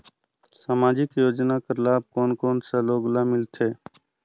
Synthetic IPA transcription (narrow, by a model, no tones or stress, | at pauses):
saːmaːd͡ʒɪkjoːd͡ʒnakəɾlaːb̚koːnkoːnsaloːɡlamɪlt̪ʰeː